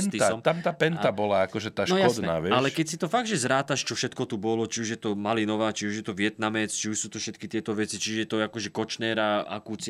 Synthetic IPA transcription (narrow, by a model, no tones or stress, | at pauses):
nnt̪iasɔmt̪amt̪aːpɛnt̪abɔlaakɔʒɛt̪aːʃnɔjɔd̪nɛna̰ːʋjɛalɛkɛcsit̪ɔfaɡ̚d̪ʒɛzɾaːt̪aʃt͡ʃɔfʃɛt̪kɔt̪ubɔlɔt͡ʃiuʒjɛt̪ɔmalinɔʋaːt͡ʃiuʒjɛt̪ɔʋɪɛt̪namɛt͡st͡ʃiuʃsuːt̪ɔfʃɛt̪kit̪ɪɛt̪ɔʋɛt͡sit͡ʃiʒɛjɛt̪ɔakɔʒɛkɔt͡ʃnɛːɾaʔa̰kuːt͡sɪ